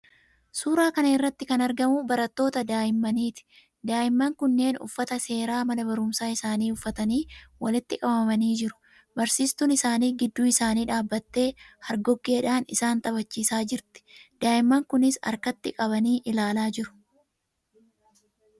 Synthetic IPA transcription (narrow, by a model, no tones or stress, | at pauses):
suːɾaːkɐnɐɪrːɐt̪ːɪkɐnɐɾɡɐmʊbɐɾɐt̪ːo̞ːt̪ɐd̪aːjɪmːɐniːt̪ɪ̥ | d̪aːʔɪmːɐŋkʊnːe̞ːnʊ̰fːɐt̪ɐse̞ːɾaːmɐnɐbɐɾʊmsaːɪsaːniːʊfːɐt̪ɐniːwɐlɪt̪ːɪkʼɐbɐmɐniːd͡ʒɪɾʊ̥ | bɐɾsiːst̪unɪsaːniːɡɪd̪ːuːɪsaːniːᶑaːbːɐt̪ːe̞ːhɐɾɡɔɡːe̞ːᶑaːnɪsaːnt̪ʼɐbɐt͡ʃːiːsaːd͡ʒɪɾt̪ɪ̥d̪̥aːʔɪmːɐŋkʊnɪsɐ̰ɾkɐt̪ːɪkʼɐβɐniːʔɪlaːlaːd͡ʒɪɾʊ̥